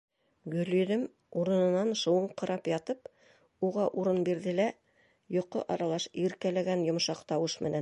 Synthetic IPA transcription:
ɡɵ̆ljɵ̆ðɘm | uɾɤ̆nɤ̆nɑnʃɤ̆wɤɴqɤ̆ɾʔɑpjɑt̪ɤp | uʁɑʔuɾɤnbiɾðɘlæ | jŏqːo̰ʔɑɾɑlˠɑʃiɾkælæɡænjŏmʃɑqt̪ɑwɤʃmɘ̆næ

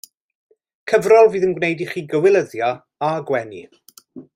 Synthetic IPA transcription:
kʰəvrɔlˠviːðənɡwnejdiχiːɡəwɪlˠəðja | aɡwɛni

